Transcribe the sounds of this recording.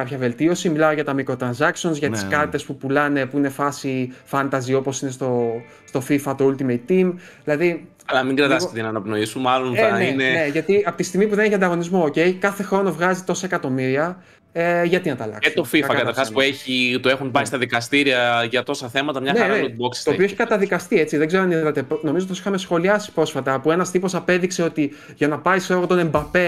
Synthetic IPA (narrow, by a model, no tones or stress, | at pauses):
kɐpçɐve̞lt̪io̞similao̞ʝɐt̪ɐmikɾo̞t̪ɾɐnsɐksio̞nzʝɐt̪iskɐt̪it̪e̞spupulɐne̞puine̞fɐsifɐnt̪ɐzio̞po̞sine̞st̪o̞ | st̪ofifɐt̪oult̪imejt̪ːim | ðilɐði | ɐlɐmiŋɡɾɐt̪ɐssket̪enɐːnɐpno̞isumɐloneninene̞ʝɐt̪iɐpot̪ist̪iɣmip̬uðe̞neçiɐnd̪ɐɣo̞nizmo̞ːce̞jkɐθe̞xɾo̞no̞vɣɐzit̪o̞sɐekɐt̪o̞miɾiɐ | ʝɐt̪inɐt̪ɐ̰lɐ̰kset̪o̞fiɐfɐkɐt̪ɐɾxɐspueçit̪oe̞xunpɐist̪ɐðikɐst̪iɾiɐʝɐt̪o̞sɐθe̞mɐt̪ɐmɲɐneɐɾuboksi̥st̪oioeçi̥kɐt̪ɐðikɐst̪iet͡siðe̞ɡze̞ɾoɐniðɐt̪e̞pno̞mizop̪̬osi̥xɐmesxo̞liɐsi̥pɾo̞sfɐt̪ɐpue̞nɐst̪ipo̞sɐpe̞ðikse̞o̞t̪i | ʝɐnɐpɐjseɣot̪o̞ne̞mbɐpe̞